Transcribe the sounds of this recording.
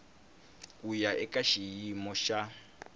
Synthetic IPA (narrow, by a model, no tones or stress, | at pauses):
kʼujaʔɛkʼaʃijjimɔʃa